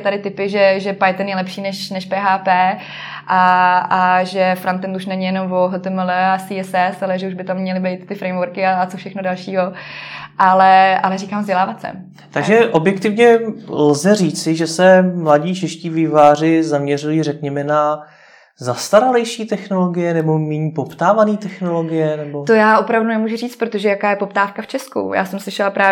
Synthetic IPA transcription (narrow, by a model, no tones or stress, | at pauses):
t̪adɪt̪ɪpɪʒɛʒɛpajt̪ɛnjɛlɛpʃiːnɛʃnɛʃpɛːɦaːpɛː | ʔaaʒɛfɾant̪ɛnd̪uʃnɛɲɪjɛnomvoɦot̪ɛmɛlɛasiːɛsɛsalɛʒɛuʒbɪt̪amːɲɛlɪbɛjt̪t̪ɪfɾɛjmvoɾkɪat͡sofʃɛxnodalʃiːɦoʔalɛalɛriːkaːmzɟɛlaːvat̪t͡sɛ̰ | t̪aɡʒɛʔo̞bjɛkt̪ɪvɲɛlzɛriːt͡sɪʒɛsɛmlaɟiːt͡ʃɛʃciːvɪvaːrɪzamɲɛrujirɛkɲɛmɛna | zast̪aɾalɛjʃiːt̪ɛxno̞lo̞ɡɪjɛnɛbo̞miɲpopt̪aːvaniːt̪ɛxno̞lo̞ɡɪjɛnɛbot̪ojaːʔo̞pɾavdunɛmuːʒuriːt͡st̪pɾot̪oʒɛjakaːjɛpop̚t̪aːfkaft͡ʃɛskṵja̰ːsɛmslɪʃɛlapɾaː